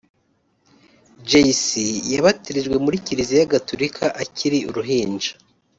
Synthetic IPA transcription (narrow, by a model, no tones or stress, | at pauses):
d͡ʒejsijaβatiɾiʒɡwe̞muɾiciɾizijaɡatuɾikʰaʔacʰiɾiṵɾuɦiːnd͡ʒḁ